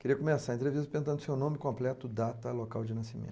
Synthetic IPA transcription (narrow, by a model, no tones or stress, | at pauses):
keɾiɐkomesaɾɐẽt̪ɾevist̪ɐpẽnt̪ɐ̃d̪ʊsewnõmɪkõmplɛt̪ʊd̪at̪ɐlokawd͡ʒɪnɐsimḛ̃t̪